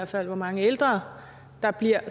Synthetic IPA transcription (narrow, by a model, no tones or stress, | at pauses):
ɐ̰̥fæl̰ʋɒmɑ̈ŋəeld̥ʁɐː | d̥ɑ̈b̥liɐ̰